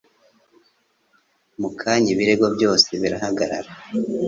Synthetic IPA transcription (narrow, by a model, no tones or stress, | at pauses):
mukʰaɲiβiɾe̞ɡo̞bjo̞ːse̞βiɾahaɡaɾa̰ɾa